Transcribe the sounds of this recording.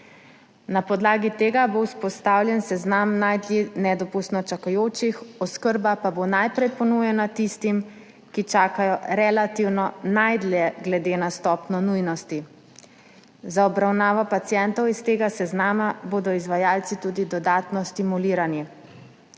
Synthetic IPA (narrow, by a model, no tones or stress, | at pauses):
napɔd̪laːɡit̪eːɡabowspɔst̪awlʲjɛnsɛznamnajd̪linɛd̪ɔpust̪nɔt͡ʃakajoːt͡ʃixɔskəɾbapabonajpɾɛjpɔnuːjɛnat̪ist̪im | kit͡ʃaːkajɔɾɛlat̪iwnɔnajd̪lɛɡlɛd̪eːnast̪ɔpnɔnujnɔst̪i | zaɔbɾawnaːʋɔpat̪sijɛnt̪ɔwist̪eːɡasɛznaːmaboːd̪ɔizʋajaːlsit̪ud̪id̪ɔd̪aːt̪nɔst̪imuliːɾani